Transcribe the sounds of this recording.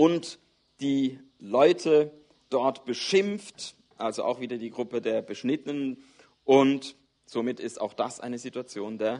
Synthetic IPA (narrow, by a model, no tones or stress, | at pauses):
ʔʊnt | d̥iː | lɔʏtʰə | d̥ɔɐtb̥əʃɪmft | ʔalzoʔa̰ʊxv̥iːdɐdiːɡʁʊpədeːɐbəʃnɪtənən | ʔʊnt | z̥omɪtɪstaʊxd̥asʔa̰ɪnəzituat͡sjoːndeːɐ